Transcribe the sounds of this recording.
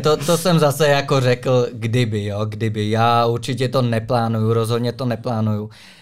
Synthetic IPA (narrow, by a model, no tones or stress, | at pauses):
t̪ot̪osɛmzasɛjako̞rɛkl̩ɡdɪbɪjoːɡdɪbɪjaːuɾt͡ʃɪcɛt̪o̞nɛplaːnujuɾozɦod̪ɲɛt̪onɛplaːnuju